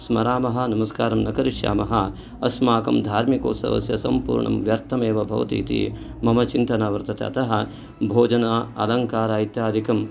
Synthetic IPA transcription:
smɐɾaːmɐɦɐ̆nɐmɐskaːɾɐmnɐkɐɾiʂja̰ːmɐɦɐ | ɐsmaːkɐmd̪ʱaːɾmiko̰ːt̪sɐ̰ʋɐ̰sjɐsɐmpṵːɾɳɐ̰mʋjɐɾt̪ʰɐmeːʋɐbʱɐ̰ʋɐ̰t̪ḭːt̪ḭ | mɐmɐt͡ʃint̪ɐnaːʋɐɾt̪ʰɐt̪ḛɐ̰t̪ɐɦɐ | bʱoːd͡ʒɐnaːɐ̰lɐŋkaːɾaːit̪jaːd̪ʱikɐm

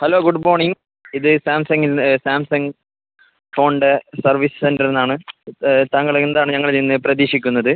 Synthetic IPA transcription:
hɐloːɡuɖmoːrɳiŋ | iðɨsaːmsɐŋɡilsaːmsɐŋɡ | fo̞ːɳɖɨsɐrʋisɨ̥sendɐrenːaːɳɨt̪aːŋːɐɭend̪aːɳɨɲɐŋːɐɭninːɨprɐðiːʂikʲːunːɐðɨ

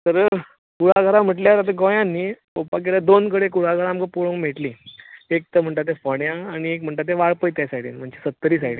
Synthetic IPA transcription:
t̪əɾ | kuɽ̤aɡʱəɾam̤əʈljat̪at̪əɡõjãnːiː | opak̬elad̪onkəɽekuɽ̤aɡʱəɾaːmkəpuɭõŋkm̤eʈliːek̚t̪əm̤əɳʈ̪at̪̬ːefəɽjãːñiekm̤əɳʈ̪at̪̬ːeʋaɭpəjt̪jasaɽḭːnm̤əɳd͡ʑesət̪ːəɾiːsaiɽ

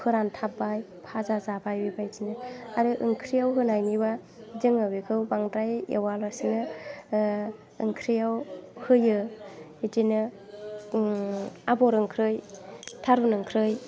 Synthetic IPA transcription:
pʰɯɾantʰap̚baj | pʰazazabʰajbibajtinɯaɾɯʔɯŋkʰɾijawɦɯnajniba | zɯŋɯbikʰɯwbaŋdɾajḛwalasinɯ | ɯŋkʰɾijawhɯjɯ | itinɯ | abɔɾɯŋkʰɾɯjtʰaɾunɯŋkʰɾɯj

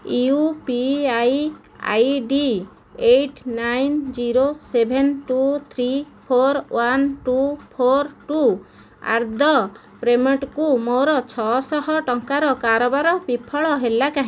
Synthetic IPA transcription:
iupiaj | a̰jɖi | eʈnajnd͡ʒiɾosebʱenʈut̪ʰɾi | pʰoɾwanʈupʰoɾʈu | a̰ɾd̪ʱɔ | pɾemeʈkumoɾɔt͡ʃʰɔsɔɦɔʈɔŋkaɾɔkaɾɔbaɾɔbipʰɔɭɔɦelakaɦĩ

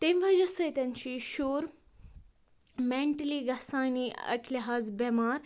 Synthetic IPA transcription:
t̪emʋɐd͡ʒɐsɐt̪ʲɐnt͡ʃʰiːʃoːɾ | meɳʈəliɡɐsaːniɐ̰kʰliɦaːzbemaːɾ

